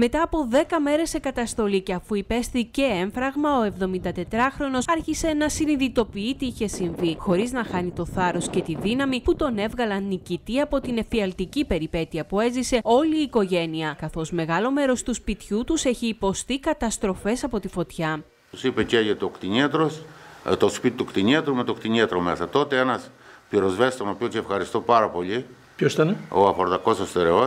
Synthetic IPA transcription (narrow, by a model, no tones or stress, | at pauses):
me̞t̪ɐːpo̞ðe̞kɐme̞ɾe̞sːe̞kɐt̪ɐst̪o̞liceɐfuipe̞sθice̞eɱfɾɐɣmɐo̞e̞vðo̞mind̪ɐt̪e̞t̪ɾɐxɾo̞no̞sɐɾçise̞nɐsiniðit̪o̞piit̪iiçe̞siɱvixo̞ɾiznɐxɐnit̪o̞θɐɾo̞sce̞t̪iðinɐmiput̪o̞ne̞vɣɐlɐnːicit̪iɐpot̪ine̞fiɐlt̪icipe̞ɾipe̞t̪iɐpue̞zise̞o̞liːko̞ʝe̞niɐkɐθo̞zme̞ɣɐlo̞me̞ɾo̞st̪uspit̪çut̪use̞çiːpo̞st̪ikɐt̪ɐst̪ɾo̞fe̞sɐpo̞t̪ifo̞t̪çɐ | t̪usipeceʝet̪okt̪iɲiɐt̪ɾost̪ospit̪it̪ukt̪iɲiɐt̪ɾumet̪okt̪iɲiɐt̪ɾomesɐt̪o̞t̪eenɐs | piɾo̞zvest̪omɐpiot̪sefxɐɾist̪o̞pɐɾɐpo̞ʎi | pçosit̪ɐneoɐfoɾðɐko̞sost̪eɾeo